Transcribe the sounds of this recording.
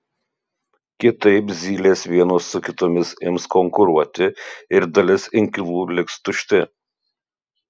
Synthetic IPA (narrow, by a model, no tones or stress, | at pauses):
kʲɪt̪ɐɪpzʲiːlʲeːsʋʲiɛnoːsːʊkʲɪt̪oːmʲɪsɪmskɔŋkʊɾuɔt̪ʲɪɪɾd̪ɐlʲɪsɪŋʲkʲɪlˠuːlʲɪkst̪ʊʃʲt̪ʲɪ